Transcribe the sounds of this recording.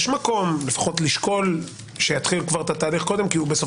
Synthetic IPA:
ʃmako̞mle̞fḁχo̞t̪liʃko̞l | ʃe̞jat̪χilkvaʁet̪at̪aːliχko̞d̪e̞mkiubeso

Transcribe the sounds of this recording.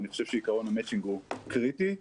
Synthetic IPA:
niχoʃev̥ʃeikaʁonamɛt͡ʃiŋɡukʁit̪i

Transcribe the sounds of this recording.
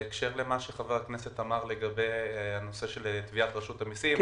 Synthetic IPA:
ekʃe̞ʁle̞maʃeχavaaknese̞t̪amaʁle̞ɡabe̞janoseʃe̞lt̪viat̪ʁaʃut̪amisim

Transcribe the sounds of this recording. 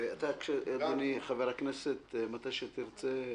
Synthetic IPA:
at̪akʃeed̪aniχaveʁakneset̪mat̪ajʃet̪iʁt͡se

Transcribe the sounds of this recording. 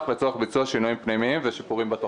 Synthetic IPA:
χlet͡soaχbit͡suaʃinujimpnimiimveʃipuʁimbat̪o

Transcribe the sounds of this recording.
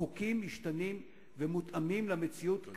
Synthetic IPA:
ukimːiʃtanim | vemut̪amimlamet͡siut̪k

